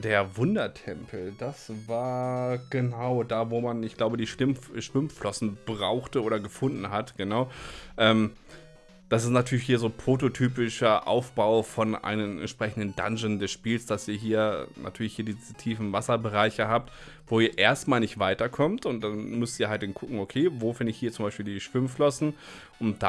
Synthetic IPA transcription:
d̥eːɐvʊndɐtʰɛmpʰl̩dasvaːɐɡ̥ənaʊdaːvoːmanɪçɡ̥laʊbədiːʃɪmʃv̥ɪmflɔsn̩b̥ʁaʊxtəoːɾɐɡəfʊndn̩ɦatɡ̥ənaʊʔɛːm | d̥asɪstnatʰyːɐlɪçhiːɐzoːpʁ̥ototʰyːpɪʃɐʔa̰ʊfb̥aʊfɔnʔa̰ɪnəmɛ̰ntʃpʁ̥ɛçn̩dən̩da̰nzəndɛsʃpiːlsd̥asiːɐɦiːɐna̰tʰyːɐlɪçhiːɐdiːztʰiːfn̩vasɐbəʁaɪçəɦaːp̚tv̥oːiːɐʔeːɐstmaːlnɪçtv̥aɪtɐkʰɔmtʊnt̚d̥anmʏstiːɐhalt̚d̥ɪnkʰʊkŋ̩okʰeːvoːfɪndəɪçhiːɐt͡sʊmbaɪʃpiːldiːʃv̥ɪmflɔsn̩ | ʔʊntd̥a

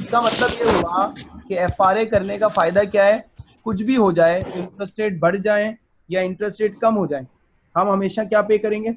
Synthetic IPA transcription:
ɪskamɐt̪ləbjeɦoɡakeɛːfaːɾekɐɾnekafaːɪd̪akjaːɦɛː | kʊt͡ʃʰbʱiɦod͡ʒaːeɪ̃ɳʈɾəsʈɾeːʈ̚bɐɽ̤d͡ʒaːe | jaɪ̃ɳʈɾəsʈɾeːʈkɐmɦod͡ʒaːẽː | ɦɐmɦɐmeːʃakjaːpeːkɐɾẽːŋɡeː

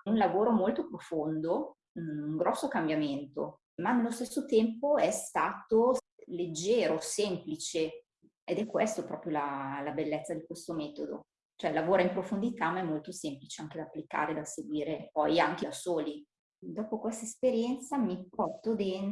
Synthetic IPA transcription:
unlavoːɾomolt̪opɾofond̪o | uŋɡɾɔsːokambjament̪o̰ | manelːost̪esːot̪ɛmpoɛst̪aːt̪o | led͡ʒːeːɾosemplit͡ʃe | ed̪ɛkːwest̪opɾɔːpɾjolalabelːɛt̪sːad̪ikwest̪omɛːt̪od̪o̰ | t͡ʃoɛlːavoːɾaimpɾofond̪it̪amaɛmːolt̪osemplit͡ʃeaŋk̟ed̪apːlika̰ːɾed̪aseɡwiːɾepɔjaŋk̟ed̪asoːli | d̪ɔːpokwest̪aespeɾjɛnt̪samipɔrt̪od̪en

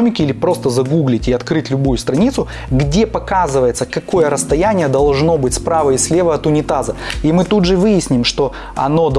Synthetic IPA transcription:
mʲɪkʲɪilʲɪpɾo̞st̪əzɐɡuɡlʲɪtʲɪɐt̪kɾɨtʲlʲʊbujʊst̪ɾɐnʲit̪sʊ | ɡdʲepɐkazɨvəjɪt̪səkɐko̞jəɾəst̪ɐjænʲɪjəd̪ɐlˠʐno̞bɨtʲspɾavəɪsʲlʲe̞vəɐt̪ʊnʲɪt̪azəimɨt̪ud̪ʐɨvɨjɪsʲnʲɪmʂt̪o̞ | ɐ̰no̞d̪

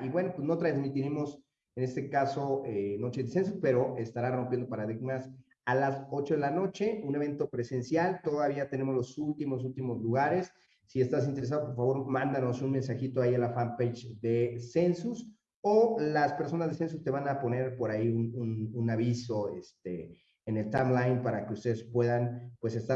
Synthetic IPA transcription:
iβwe̞no̞pwezno̞t̪ɾanzmit̪iɾemo̞s | ene̞st̪e̞kaso̞eno̞t͡ʃezðese̞ns̬uspe̞ɾo̞ʔe̞st̪aɾaro̞mpjend̪opaɾaðiɣmas | alaso̞t͡ʃo̞ðe̞lano̞t͡ʃe̞une̞β̞e̞nt̪o̞pɾe̞se̞nsjalt̪o̞ðaβ̞iat̪e̞ne̞mo̞zlo̞sult̪imos̬ult̪imo̞zluɣaɾe̞sː | ie̞st̪as̬int̪e̞ɾe̞s̬aðop̬o̞ɾfaβo̞ɾmãnd̪ano̞sunmensaxit̪oaialafampejt͡ʃðese̞nsus | olaspe̞ɾso̞nazðese̞nsust̪e̞βanapo̞ne̞ɾpo̞ɾaiunununaβiso̞ḛst̪ḛː | ne̞lt̪amlajnpaɾake̞ust̪e̞ðe̞spwe̞ðanpwe̞sest̪a

